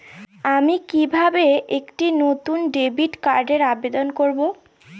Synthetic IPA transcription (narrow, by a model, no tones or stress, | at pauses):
amikibʱabeekʈinot̪unɖebiʈkaɾɖeɾabed̪onkoɾbo